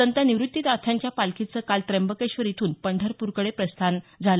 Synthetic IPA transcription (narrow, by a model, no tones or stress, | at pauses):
ənt̪aniʋɾut̪ːit̪at̪ʰaɲt͡ɕjapalkʰit͡səːkalt̪ɾembəkeɕʋəɾit̪ʰuːnpəɳɖʱəɾpuɾkəɽepɾəst̪ʰand͡zʱalə